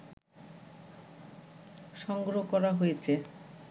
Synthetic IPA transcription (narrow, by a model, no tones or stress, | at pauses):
ʃɔŋɡɾokɔɾaɦojet͡ɕʰe